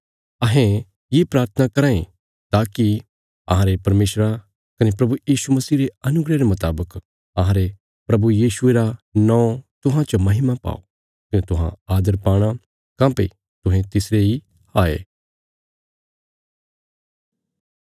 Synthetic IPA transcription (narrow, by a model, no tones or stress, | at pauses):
ɐɦɛ̃ | jepɾaːɾt̪ʰənakɐɾãːẽ | t̪aːki | ɐ̰ɦãɾepɐɾmeːʃɾa | kɐnepɾɐbujiːʃumɐsiːɾeɐnʊɡɾeɾemʊt̪aːbək | ɐɦãɾe | pɾɐbujiːʃʊeɾanɔ̃ːõt̪ʊɦãt͡ʃomɐɦɪmapa̰ːo̰ | kɐnet̪ʊɦã̰aːd̪əɾpaːɽ̃a | kãːpḛ | t̪ʊɦɛ̃t̪ɪsɾei | aːḛː